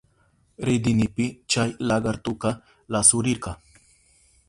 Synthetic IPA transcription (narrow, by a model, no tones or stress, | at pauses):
ɾɪd̪ɪnɪpɪt͡ʃajlaɡɑɾt̪ʊkɑ | lasʊɾɪɾɢɑ